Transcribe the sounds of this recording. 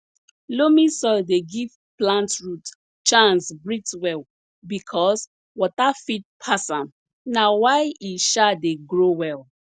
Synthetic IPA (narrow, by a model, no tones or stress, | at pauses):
lomisɔdeɡiv̥ | plãntɹut | t͡ʃãnsbɹitwɛl | bikʰɔs | wɔtafit̚pʰasãm | nawaɪiʃadeɡɹowɛl